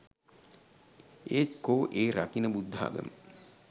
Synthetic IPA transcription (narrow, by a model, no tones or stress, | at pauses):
eːkoːʔeːɾakinəbud̪ʱːa̰ːɡə̰m